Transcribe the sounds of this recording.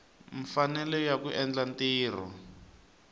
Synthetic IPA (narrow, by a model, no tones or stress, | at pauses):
ɱfanɛlɛjakuʔɛnd͡ɮantiːr̤ɔ̰